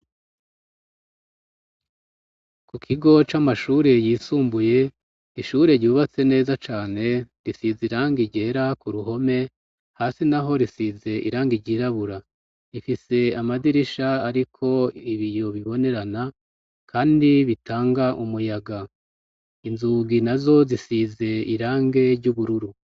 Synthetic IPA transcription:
kukʰiɡo̞t͡ʃamaʃuɾe̞jiːsuːmbuje̞ | iʃuɾe̞ɾɟuːβat͡se̞ne̞ːzat͡ʃaːne̞ɾisiziɾaːŋɡiɾɟe̞ːɾakuɾuɦo̞me̞ | haːsinaɦo̞ɾisize̞ʔḭɾaːŋɡiɾɟiːɾaβuɾa | ɾifise̞amadiɾiʃaːɾikʰo̞iβijo̞βiβo̞ne̞ɾana | kʰaːndiβitʰaːŋɡaʔumujaɡa | inzuːɡinazo̞zisize̞iɾaːŋɡe̞ɾɟuβuɾuɾu

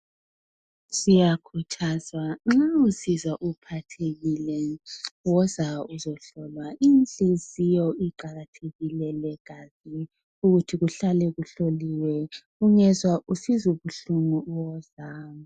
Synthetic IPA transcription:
sijakʰutʰazwaŋ͡ǁausizwaʔupʰatʰeɣilɛwɔzauzɔɬɔlwaʔint͡ɬʼizijɔiǃaɣatʰeɣilɛlɛɡ̥ʱazi | uɣutʰiɣuɬalɛɣuɬoliwɛ | uŋɛzwausizuβuɬuŋuwɔzaːmu

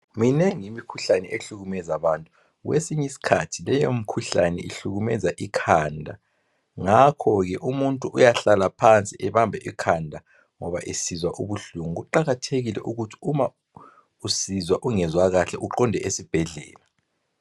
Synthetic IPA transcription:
minɛŋimikʰuɬanɛʔeɬuɣumɛzaβantʼu | wḛsiɲisi̥kʰatʰilɛjomikʰuɬanɛiɬuɣumɛzaʔikʰaːndʱa | ŋakʰɔɣɛʔumuntʼuʔujaɬalapʰant͡sʼiʔɛβambʱɛʔikʰandʱa | ŋɔβa̰ʔisizwaʔuβuɬuŋuɣuǃaɣatʰeɣilɛ̰ʔuɣutʰi̥uma | usizwaʔuŋɛzwaɣaɬɛʔuǃɔndʱɛʔesib̥ʱɛɮɛ̰ːla

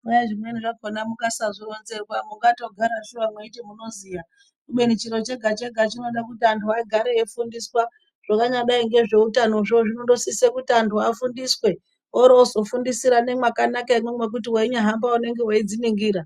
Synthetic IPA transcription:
mujaʐimweniʐakonamukasaʐoro̞nze̞rwamuŋɡato̞ɡʱaɾaʃuʋamweitimuno̞ziːja | kuɓenit͡ʃiɾo̞t͡ʃe̞ɡʱat͡ʃeɡʱat͡ʃino̞ɗakutiantʰuaɡʱaɾeefundiswa | ʐ̥akaɲaɗaiŋɡe̞ʐe̞utanoʐioʐino̞ndo̞sisekutiantʰuafundiswe̞ | oɾozo̞fundisiɾane̞mwakanakaimemwe̞k̬ut̬iwaiɲaɦambaune̞ŋɡe̞waid͡ziniŋɡiːɾa

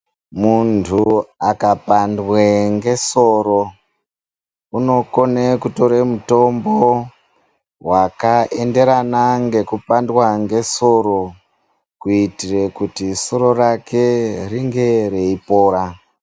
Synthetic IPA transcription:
muntʰuakapandweŋɡe̞so̞ɾo | uno̞ko̞nekuto̞ɾemuto̞mbo | wakaʔe̞nde̞ɾanaŋɡe̞kupandwaŋɡe̞so̞ɾo̞ | kuitire̞kutiso̞ɾo̞rakʰe̞riŋɡe̞ɾeipo̞ːɾa

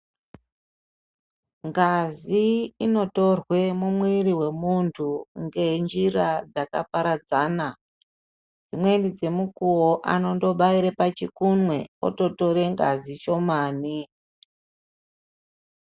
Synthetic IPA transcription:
ŋɡaziino̞to̞rwe̞mumwiɾiwe̞muntʰuŋɡe̞nd͡ʒirad͡zaka̰paɾad͡zaːna | d͡zimwe̞ndid͡ze̞mukuwoʔa̰no̞ndo̞ɓaiɾepat͡ʃikunwe̞o̰to̞to̞ɾe̞ŋɡa̰zit͡ʃo̞maːni

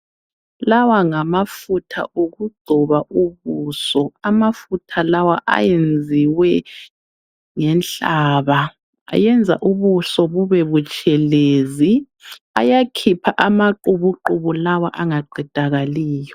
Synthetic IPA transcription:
lawaŋamafutʰa̰ʔoɣuɡ͡ǀʱɔβaʔuβuːsɔamafutʰalawaʔa̰jend͡zʱiwɛ | ŋɛnɬaːβa | a̰jɛnd͡zʱa̰ʔuβusɔβuβɛβut͡ʃʼɛleːzi | a̰jakʰipʰaʔamaǃuβuǃuβulawa̰ʔaŋaɡ͡ǀʱid̥ʱaɣaliːjɔ

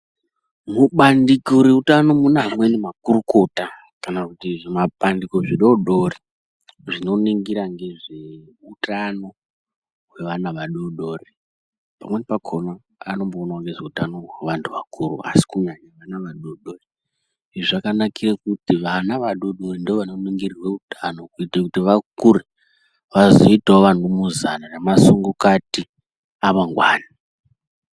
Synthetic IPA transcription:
muɓandikoɾeutano̞munamwe̞nemakuɾuko̞ta | kanakutiʐemaɓandiko̞ʐiɗoɗori | ʐino̞niŋɡiɾaŋɡe̞ʐe̞ | utano̞ | ɦwe̞ʋanaʋaɗoɗo̞ːre | pa̰mwe̞nepakʰona | ano̞mboːnawŋɡeʐeutano̞ɦweʋantʰuʋakʰuɾṵa̰si̥kuɲaɲaʋanaʋaɗoɗore | iʐiʐakanakirakutiʋanaʋaɗoɗorendeoʋanoniŋɡirirwe̞utʰanokuitakutiʋakuɾe | ʋazoitaoʋantumuzananemasuŋɡokati | amaŋɡwaːna

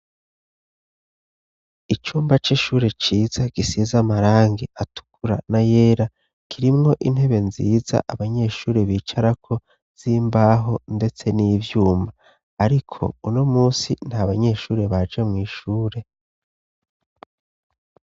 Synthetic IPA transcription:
it͡ʃuːmbat͡ʃiʃuːɾe̞t͡ʃiːzaɡ̥isizamaɾaːŋɡeʔatu̥kuɾa̰naje̞ːɾa | kʰiɾimŋo̞ʔin̥he̞βe̞nziːza̰ʔaβaɲe̞ːʃuːɾe̞βiːt͡ʃaɾakʰo̞ | z̥iːmbaːɦo̞nde̞t͡se̞niːvjuːmbaː | ɾikʰo̞̰uno̞muːsin̥haβaɲe̞ʃuːɾe̞βad͡ʒe̞mŋiːʃuːɾe

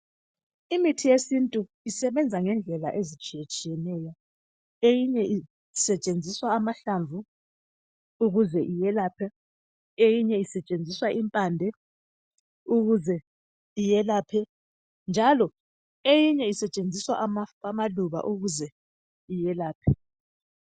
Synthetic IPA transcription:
imitʰijesintʼu | isɛβɛnd͡zʱaŋɛnd͡ɮʱɛla̰ʔezit͡ʃʼijɛt͡ʃʼijɛnɛːjɔ | ejiɲɛi | sɛt͡ʃʼend͡zʱiswaːmaɬaɱvʱu | uɣuzɛʔijɛlaːpʰɛ | ejiɲɛisɛt͡ʃʼend͡zʱiswaʔimpʼandʱɛ | uɣuzɛ | ijɛlaːpʰɛ | nd͡ʒʱalɔ | ejiɲɛisɛt͡ʃʼend͡zʱiswaʔamaamaluβa̰ʔuɣuzɛ | ijɛlaːpʰɛ

